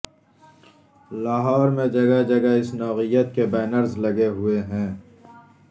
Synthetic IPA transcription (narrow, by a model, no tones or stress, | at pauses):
laːɦɔːɾmẽd͡ʒɐɡad͡ʒɐɡaɪsnɔːɣijət̪̚kebaːnəɾzlɐɡeɦʊeɦɛ̃ː